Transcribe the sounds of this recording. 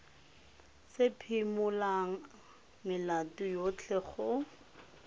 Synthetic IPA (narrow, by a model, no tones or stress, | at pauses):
sɪpʰimʊlaŋ̩ | mɪlatʼʊjot͡ɬʰɛχʊ